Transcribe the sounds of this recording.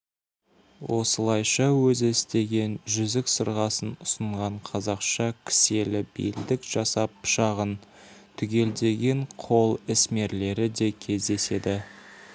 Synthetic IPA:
wo̞̰səlˠɑjʃɑwɵzɪɪst̪e̞ɡʲe̞nʒʏzɪksəɾʁɑsənʊsəɴʁɑɴqʰɑzɑqʃɑkʲʰɪ̥se̞lɪbḛld̪ɪkʒ̥ɑsɑpʃɑʁən | t̪ʰʏɡʲe̞ld̪e̞ɡʲe̞ɴqʰo̞lˠɪsme̞ɾle̞ɾɪd̪e̞kʲʰe̞zd̪e̞se̞d̪ɪ

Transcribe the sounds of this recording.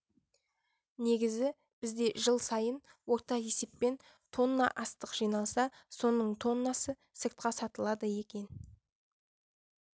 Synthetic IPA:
ne̞ɡʲɪzɪ | b̥ɪzd̪e̞ʒəlˠsɑjənwo̞ɾt̪ɑje̞se̞pːe̞n | t̪ʰo̞nːɑ̰ʔɑst̪əqʒ̥ijnɑlˠsɑso̞nəɴt̪ʰo̞nːɑsə | səɾt̪̚qɑsɑt̪əlˠɑd̪əje̞kʲe̞n

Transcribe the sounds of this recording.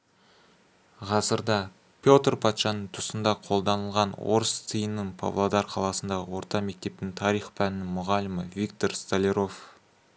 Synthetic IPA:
ʁɑsəɾd̪ɑ | pʲjo̞t̪rpʰɑt̪ʃɑnəɴt̪ʰʊsənd̪ɑqʰo̞lˠd̪ɑnəlˠʁɑnwo̞̰ɾəst̪ʰəjənːəŋpʰo̰vlˠod̪ɑrqʰɑlˠɑsənd̪ɑʁə̰wo̞ɾt̪ɑme̞k̚t̪e̞p̚t̪ɪŋt̪ʰɑɾijχpʰænɪnɪŋmʊʁɑlɪməvik̚t̪o̞rst̪alʲeɾo̞f

